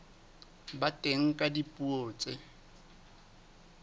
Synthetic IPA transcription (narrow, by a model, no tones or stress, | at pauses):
batʼeŋ̩kʼadipʼuoːt͡sʼɪ